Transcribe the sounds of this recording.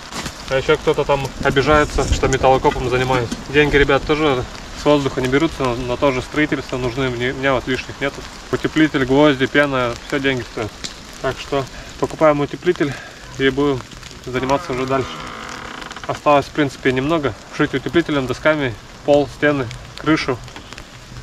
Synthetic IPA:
ɐjɪɕːok̚t̪o̞t̪ət̪amɐbʲɪʐajʊt̪səʂt̪o̞mʲɪt̪əlˠɐkopəmzənʲɪmajɪsʲdʲenʲɡʲɪɾʲɪbʲat̪t̪ːo̞ʐɨ | svo̞zd̪ʊxənʲɪbʲɪɾʲut̪sənot̪o̞ʐɨst̪ɾɐitʲɪlʲst̪vənʊʐnɨmnʲmʲɪnʲavot̪lʲiʂnʲɪxnʲe̞t̪ʊ | ʊtʲɪplʲitʲɪlʲɡvozʲdʲɪpʲenəjəfsʲodʲenʲɡʲɪst̪ojɪt̪ | t̪akʂt̪opəkʊpajʊmʊtʲɪplʲitʲɪlʲ | jebudʲɪm | zənʲɪmat̪sːəʊʐɛd̪alʲʂɨ̥ | ɐst̪alˠəsʲfpɾʲint̪sɨ̥pʲɪnʲɪmno̞ɡə | ʐ̥ɨtʲʊtʲɪplʲitʲɪlʲnɨmd̪ɐskamʲɪ | po̞lˠsʲtʲe̞nɨkɾɨʂʊ

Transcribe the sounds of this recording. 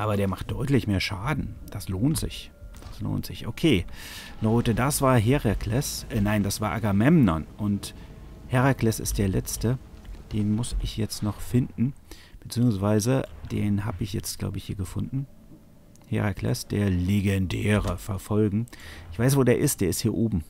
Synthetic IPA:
ʔaːbɐɾeːɐmaχt̚d̥ɔʏtlɪçmeːɐʃaːdn̩d̥asloːntz̥ɪ̰ç | d̥aslo̰ːntz̥ɪçʔokʰeːlɔʏtədasv̥aːɐɦeʁakʰlɛsʔɛnaɪndasv̥aːʔaɡamɛmnɔ̰nʔʊnthɛʁaklɛsɪ̰st̚d̥eːɐlɛt͡stə | d̥eːnmʊsɪçjɛt͡stnɔχfɪndn̩ | b̥ət͡siːʊŋsv̥aɪzəd̥eːnɦaːbəɪçjɛt͡stɡ̥la̰ʊbəɪçhiːɐɡəfʊndn̩ | hḛʁakʰlɛ̰sd̥eːɐleɡɛndɛːʁəfɛɐfɔlɡŋ̩ʔɪçv̥aɪs̬v̥oːdeːɐʔɪst̚d̥eːɐɪsthiːɐʔoːbm̩

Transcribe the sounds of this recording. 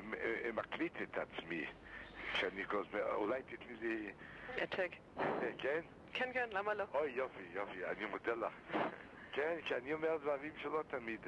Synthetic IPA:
mmakʰlitʰɪtʰat͡smi | ʃanikʰɔzmɛṵlaɪtɪtmilijatʰɛk | atɛkʰɛn | kʰɛnkɛnlamaloɔjjɔfijɔfia̰nimodɛla̰χ | kʰɛnkʰaniɔmɛʁdvaʁimʃɛlɔtʰamid

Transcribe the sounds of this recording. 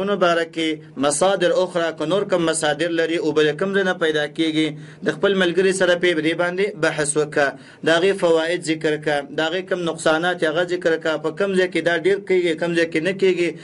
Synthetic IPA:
unobɑɾake | masɑd̪ɪɾʊxɾakənoɾkəmːasɑd̪ɪɾlaɾiobəlekəmzajnapajd̪ɑkeɡid̪əxpəlmalɡəɾisaɾaped̪ebɑnd̪ebahswəkə | d̪əaɣefawɑɪd̪zɪkɾkad̪əaɣekəmnʊqsɑnɑt̪eaɣazɪkɾkapəkəmzɑjked̪ɑɖeɾkeɡikəmzɑjkenəkeɡi

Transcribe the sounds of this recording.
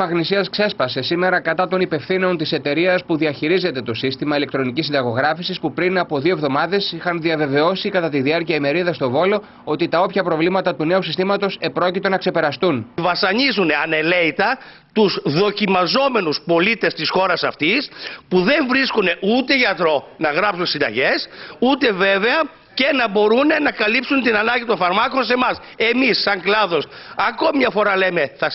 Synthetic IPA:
mɐɣnisiɐskse̞spɐse̞sime̞ɾɐkɐt̪ɐt̪o̞nipe̞fθino̞nt̪ise̞t̪e̞ɾiɐspuðiɐçiɾize̞t̪e̞t̪o̞sist̪imɐile̞kt̪ɾo̞nicisind̪ɐɣo̞ɣɾɐfisispupɾinɐpo̞ðio̞vðo̞mɐðe̞sixɐnðiɐve̞ve̞o̞sikɐt̪ɐt̪iðiɐɾciɐime̞ɾiðɐst̪o̞vo̞lo̞ | o̞t̪it̪ɐo̞pçɐpɾo̞vlimɐt̪ɐt̪une̞usist̪imɐt̪o̞se̞pɾo̞cit̪o̞nɐkse̞pe̞ɾɐst̪unvɐsɐɲizuneɐne̞leit̪ɐ | t̪uzðo̞cimɐzo̞me̞nuspo̞lit̪e̞st̪isxo̞ɾɐsɐft̪ispuðe̞ɱvɾiskune̞ʔut̪e̞ʝɐt̪ɾo̞nɐɣɾɐpsunsind̪ɐ̰ʝe̞sut̪e̞ve̞ve̞ɐ | ce̞nɐbo̞ɾunenɐkɐlipsunt̪inɐnɐɲɟit̪o̞nfɐɾmɐko̞nse̞mɐs | e̞misːɐŋklɐðo̞sɐko̞mimɲɐfo̞ɾɐleme̞θɐ

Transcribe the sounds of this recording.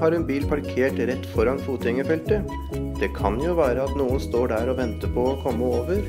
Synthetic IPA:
hɑɾɛnbiːlpʰɑɾkʰeːʈɾɛt̪ːfɔɾɑnfuːt̪ɪŋəfɛlt̪ə | d̪̥ɛkʰɑnjʊʋæːɾəɑt̪nuːənst̪oːɖæːɾɔʋɛnt̪əpʰɔɔkʰɔmːəoːʋəɾ

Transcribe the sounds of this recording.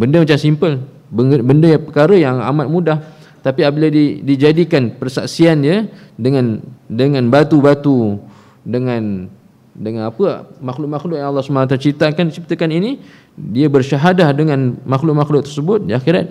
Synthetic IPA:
bəndəmat͡ʃamsimpəl | bəbəndəjapəkaɾəjaŋa̰mat̪̚mũdah | t̪apiabiladidid͡ʒadikanpərsa̰ksiandiədəŋandəŋãnbat̪ubat̪u | dəŋãn | dəŋãnapəmaxlʊʔ̚maxlʊʔjaŋɑlːɑhsəmat̪ərt͡ʃit̪akant͡ʃip̚t̪akanini | diəbərʃaɦadahdəŋanmaxlʊʔ̚maxlʊʔt̪ərsəbʊt̪̚diaxiɾat̪̚

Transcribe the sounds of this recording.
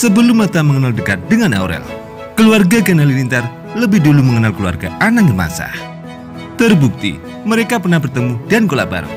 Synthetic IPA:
səbəlʊmːat̪aməŋənaldəkat̪̚dəŋana̰ɾɛ̰l | kəluarɡaɡanalilint̪ar | ləbɪhduluməŋənalkəlua̰rɡa̰ʔanaŋbəma̰sa̰h | t̪ərbuk̚t̪ḭ | məɾekapərnahbərt̪əmudankola̰ʔba̰ɾa̰

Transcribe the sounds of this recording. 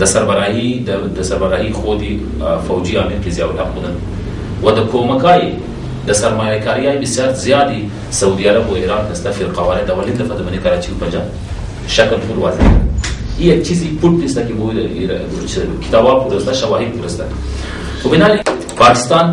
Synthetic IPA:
d̪əsaɾbaɾɑɦid̪əd̪əsaɾbaɾɑɦixod̪i | fawd͡ʒiɑːmiɾkezjɑwʈaxud̪ən | wad̪əkʰomakɑji | d̪əsaɾmɑjakɑɾijɑibɪsjɑɾzjɑt̪i | saud̪iaɾaboiɾɑːknist̪afɪɾqɑwaɾad̪awalind̪afad̪əmɐnikɐɾɑt͡ʃiupand͡ʒɑb | ʃakltuɾwaz | ijat͡ʃizipuʈ̚d̪ist̪akibud̪ə | t͡ʃkɪ̥t̪ɑbɑpuɾust̪aʃawɑɦɪd̪̚puɾust̪ak | xobɪnɑli | pɑkɪ̥st̪ɑn

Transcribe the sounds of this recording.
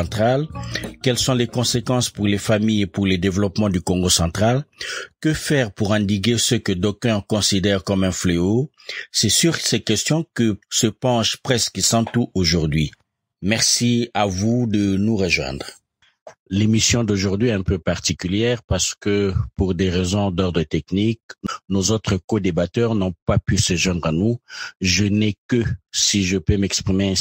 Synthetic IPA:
t̪χalkɛlsɔ̃lekɔ̃sekɑ̃spuʁlefamijepuʁləd̪evlɔpmɑ̃d̪ykɔ̃ŋɡosɑ̃t̪χalkəfɛʁpuʁɛ̃d̪iɡesəkəd̪okɛ̃kɔ̃sid̪ɛʁkɔmɛ̃fleosɛsyʁsɛkɛst̪jɔ̃kəsəpɑ̃ʃpχɛskəsɑ̃t̪uʔoʒuʁd̪ɥi | mɛʁsiavud̪ənuʁəʒwɛ̰̃d̪ʁ | lemisjɔ̃d̪oʒuʁd̪ɥiɛt̪ɛ̃pøpaʁt̪ikyljɛʁpaʁsə̥kəpuʁd̪eʁezɔ̃d̪ɔʁd̪ʁət̪ɛknik̚nozot̪χəkod̪ebat̪œʁnɔ̃papysəʒwɛ̃d̪ʁãnuʒənɛkəsiʒəpømɛkspχimẽ

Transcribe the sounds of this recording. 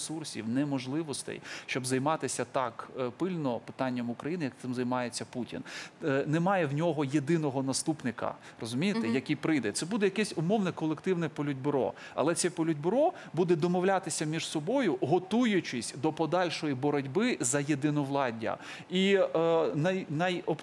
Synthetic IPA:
sursʲḭwnɛmɔʒlˠɪʋɔst̪ɛ̰jʃt͡ʃɔbzɐjmɑt̪ɪsʲɐt̪ɑkpɪlʲnɔpɪ̥t̪ɑnʲːɐmʊkɾɐjinɪjɐkt̪ɪmzɐjmɑjet͡sʲːɐputʲḭnnɛmɑjɛwnʲɔɦɔjed̪ɪnɔɦɔnɐst̪upnɪkɐ̰ | rɔzʊmʲijet̪ɛjɐkʲijpɾɪjd̪ɛt̪sɛbud̪ɛjɐkɛsʲʊmɔwnɛkɔlˠekt̪ɪwnɛpɔlʲʊdʲbɾɔ̰ | ɐ̰lˠɛsʲɛpɔlʲʊdʲbɾɔ | bud̪ɛd̪ɔmɔwlʲat̪ɪsʲɐmʲiʒ̥sɔbɔjʊɦɔt̪ujʊt͡ʃɪsʲd̪ɔpɔd̪ɑlʲʃɔjibɔɾɔdʲbɪzɐjed̪ɪnɔʋlˠɑdʲɐ̰ | i | nɐjnɐjɔp

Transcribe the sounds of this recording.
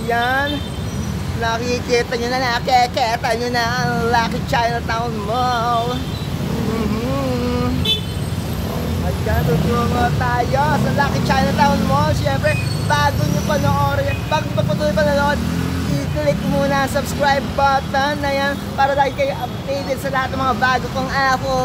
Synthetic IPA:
jan | nɐkɪkiːt̪ɐɲonɐnɐkɛkɛːt̪ɐɲonɐʔɐŋlaːkɪŋt͡ʃajnɐt̪aʊnmol̩ː | m̩ | ʔɐjant̪ʊd̪uŋot̪aːjosɐlaːkɪŋt͡ʃajnɐt̪aʔʊnmoʃɛmpɾɛbaːɡoɲopɐnoŋʔoːɾɐsɐpɐɡpɐɡ̚pɐt̪uːjpɐnonoʔod̪̚ʔiklɪk̚muːnɐɐŋsɐbskɹajb̚ːat̪ɐnːɐjan | paːɾɐlaːɡɪŋkɐjʔɐb̚t̪iːd̪ɪlsɐlɐhat̪̚ɐmɐŋabaːɡokoŋʔaːko

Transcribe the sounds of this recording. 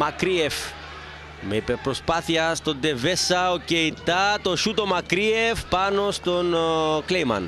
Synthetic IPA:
mɐkɾief | meipepːɾospaθiɐst̪od̪evesɐoceit̪ːɐt̪oʃut̪o̞mɐkɾiefpɐno̞st̪onklejmɐ̰n

